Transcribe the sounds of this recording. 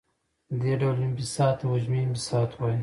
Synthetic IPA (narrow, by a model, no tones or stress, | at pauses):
əd̪eɖawlimbisɑːt̪wad͡ʒmimbisɑt̪ʰwɑji